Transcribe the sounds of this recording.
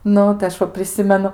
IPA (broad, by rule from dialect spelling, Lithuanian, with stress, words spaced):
ˈnʊ tɐɪ ɐʃ ˈʋɐ pʲrʲɪˈsʲɪmʲɛnʊ